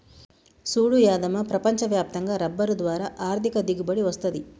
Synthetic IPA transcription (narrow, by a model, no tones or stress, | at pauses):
suːɽujaːd̪ɐmɐpɾɐpɐɲt͡ʃɐʋjaːp̚t̪ɐŋɡaːɾɐbːɐɾud̪ʋaːɾaːʔaːɾt̪ʰikɐd̪iɡubɐɽiʋɐst̪ɐd̪i